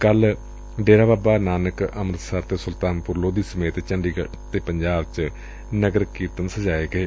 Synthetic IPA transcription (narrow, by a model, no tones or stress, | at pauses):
kəl | ɖeːɾaːbaːbaːnaːnəkəmɾət̪səɾt̪eːsʊlt̪aːnpʊɾloːd̪iːsəmeːt̪t͡ʃəɳɖiːɡə | t̪eːpəɲd͡ʒaːbt͡ʃə | nəɡəɾkiːɾt̪ənsəd͡ʒaːeːɡəeː